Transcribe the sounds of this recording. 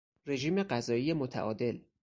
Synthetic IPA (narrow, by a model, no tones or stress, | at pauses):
re̞ʒiːme̞ɢæzɒːiːje̞mot̪ʰæ̰ʔɒːd̪e̞l